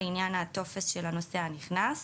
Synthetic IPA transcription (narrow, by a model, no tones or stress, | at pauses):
injanat̪o̞fesʃelano̞seaniχnas